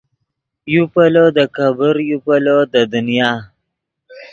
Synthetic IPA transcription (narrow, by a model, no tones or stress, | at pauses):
jupalod̪əkabəɾjupalod̪əd̪ʊnjɑː